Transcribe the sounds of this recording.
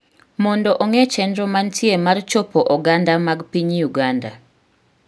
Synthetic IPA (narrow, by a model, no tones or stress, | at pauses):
mɔndɔʔɔŋɛt͡ʃɛndɾɔmantʰjemart͡ʃɔpɔʔɔɡandamaɡpiɲjuɡanda